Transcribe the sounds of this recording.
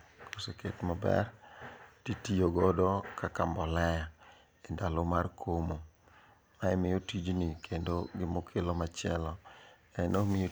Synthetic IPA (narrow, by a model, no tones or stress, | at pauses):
kʰoseketmabɛ̰rtitijoɡɔdɔkakambɔlɛja | endalomarkʰomo | maɛmɪjotid͡ʒnikʰendoɡɪmokʰelomat͡ʃɪɛlɔ | ɛnomɪjo